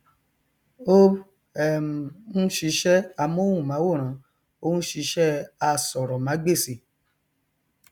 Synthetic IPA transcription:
o˦ | ɛ˨m˨nũ˦ʃi˧˦ʃɛ˦a˧mo˦ũ˦˨mã˨˦wo˦˨ɾ̃ã˨˦ | o˧ũ˦ʃi˧ʃɛ˦a˧sɔ˨ɾɔ˨mã˨˦ɡ͡be˦˨si˨

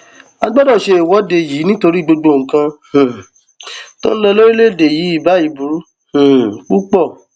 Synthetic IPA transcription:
a˧ɡ͡bɔ˦dɔ˦˨ʃe˧e˨wɔ˨˦de˨ji˨˦nĩ˦to˧ɾi˦˨ɡ͡bo˧ɡ͡bo˧˨ŋ̩˨kã˧hũ˨ | to̰˦ñ̩˦lɔ˧lo˦ɾi˦le˦˨de˨ji˨˦i˦˨ba˨˦i˨bu˨ɾu˨˦ | hũ˨ku˦k͡pɔ˦˨

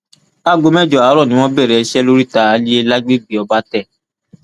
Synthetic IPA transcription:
a˦˨ɡo˨˧mɛ˦˨d͡ʒɔ˨a˨˦ɾɔ˦˨nĩ˨˦w̃ɔ̃˦bɛ˦˨ɾɛ˨˧ʃɛ˦lo˦ɾi˦ta˧˨a˧˦li˦e˦la˦ɡ͡be˦bi˨ɔ˧ba˦tɛ˦˨

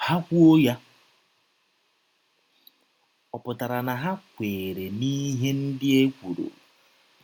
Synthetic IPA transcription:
ha˦kʷu˦o˦ja˦ | ɔ˨pʊ˨ta˨ɾa˨na˨ɦa˦kʷeː˨ɾe˨ni˦ɦe˦n̩˦dɪ˦e˦kʷu˨ɾo̰˨

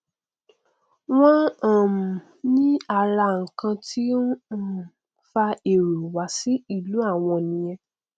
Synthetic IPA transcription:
w̃ɔ̃˦ã˨m˨ | nĩ˦a˧la˧ŋ̩˨kã˧tʰi˦˨ | fa˧e˨ɾu˨wa˨˦si˦i˦˨lu˨˦a˦˨w̃ɔ̃˧˨nĩ˨j̃ɛ̃˧

